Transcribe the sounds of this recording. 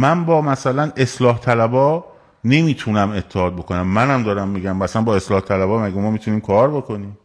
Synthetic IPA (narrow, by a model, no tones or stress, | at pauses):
mænbɒːmæsælæne̞slɒːht̪ʰælæbɒː | ne̞miːt̪ʰunæme̞t̪ʰːehɒːd̪̚bo̞ko̞næmːænæmd̪ɒːɾæmːiːɡæmæsænbɒːe̞slɒːht̪ʰælæbɒːmæɡæmɒːmiːt̪ʰuniːmkʰɒːɾbokʰo̞niːm